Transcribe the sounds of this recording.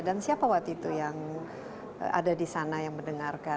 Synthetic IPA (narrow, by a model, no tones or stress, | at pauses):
dansiapawakt̪uit̪ujaŋ̰ | a̰dadisanajaŋməndəŋarka